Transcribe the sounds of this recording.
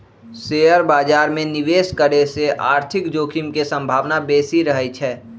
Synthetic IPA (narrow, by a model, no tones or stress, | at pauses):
seːəɾbaːd͡ʒaːɾmẽnɪʋeːskəɾeseʔaːɾt̪ʰɪkd͡ʒoːkʰɪmkesə̃mbʱaːʋnabeːsiɾəɦɛt͡ʃʰɛː